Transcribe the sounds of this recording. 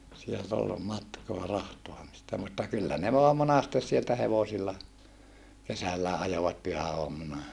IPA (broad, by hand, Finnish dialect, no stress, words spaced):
sielt ol mɑtkoɑ rɑhtoɑmistɑ mutːɑ kylːæ ne ʋoɑm monɑstes sieltæ heʋosilːɑ kesælːæː ʔɑjoʋɑt pyhæoɑmːunɑ